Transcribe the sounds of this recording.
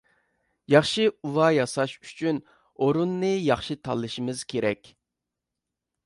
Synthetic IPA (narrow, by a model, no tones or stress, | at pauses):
jɑχʃɨuwɑjɑsɑʃy̥t͡ʃʰyn | oɾunːɨjɑχʃɨt̪ʰɑ̰lˠːɨʃimɨz̥kʲʰeɾɛkʲ